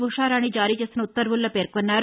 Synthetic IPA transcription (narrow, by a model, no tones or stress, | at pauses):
ʋuʂaːɾaːnːid͡ʒaːɾiːt͡ʃeːst̪inɐut̪ːɐɾʋulːoːpe̞ːɾkonːaːɾu